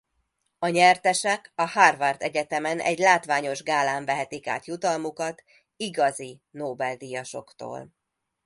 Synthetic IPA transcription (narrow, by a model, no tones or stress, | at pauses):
ɒɲɛrt̪ɛʃɛkɒharvɒrt̪ɛɟɛt̪ɛmɛnʔɛ̰ɟlaːt̪ʋaːɲo̞ʒɡaːlaːɱvɛɦɛt̪ika̰ːt̪jut̪ɒlmukɒt̪ | iɡɒzinoːbɛld̪ijɒʃo̞̰kt̪o̰ːl